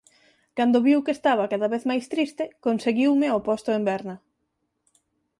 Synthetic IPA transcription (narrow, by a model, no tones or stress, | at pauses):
kand̪ʊβiwkest̪aβ̞ɐkaðɐβeθmajst̪ɾist̪ɪkonseɣiwmɪopɔst̪ʊembɛɾnɐ